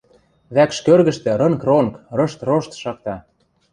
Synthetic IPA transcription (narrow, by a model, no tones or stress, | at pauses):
βækʃkørɣə̆ʃt̪ĕɾɤ̆ŋkronkrɤ̆ʃt̪roʃt̪ʃɑk̚t̪ɑ